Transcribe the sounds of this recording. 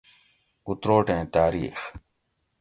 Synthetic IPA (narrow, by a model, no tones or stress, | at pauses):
ʊt̪ɾoːʈẽːt̪aːɾḭːx